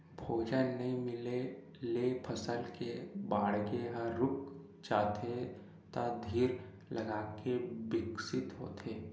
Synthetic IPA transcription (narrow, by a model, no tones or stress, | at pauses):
bʱʰoːd͡ʒənːɐɦĩmɪle | leːpʰəsəlkebaːɽkeɦəɾʊk | d͡ʒaːt̪ʰe | t̪ad̪ʱiːɾ | lɐɡaːkebɪksɪt̪ɦo̰ːt̪ʰeː